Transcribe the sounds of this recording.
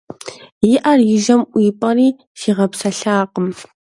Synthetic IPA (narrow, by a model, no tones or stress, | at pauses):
jɪʔɐrjɪʒɐmʔʷiːpʼɐɾiː | ʃiːʁɐpsɐɬaːqəm